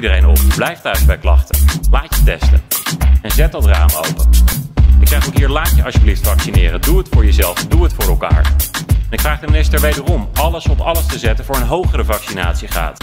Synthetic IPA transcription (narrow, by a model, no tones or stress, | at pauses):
dəɾejnɔpblɛjftœɥsbɛjklɑ̰χtəlaːtjətɛ̰stə̰ɛnzɛt̚dɑtra̰ːmo̰wpənɪksɛχotɦiːɹlaːtjəʔɑ̰ʃjəbliftfɑksinɪːrənduətfʊːɹjəzɛlˠfduɦətfʊːɹɛlˠka̰ːɹɛnɪkfraːχdəminɪstəɹʋejdərɔmɑləsɔpɑləstəzɛtənvʊːɹənɦowχərəvɑksina̰ːtsiχa̰ːt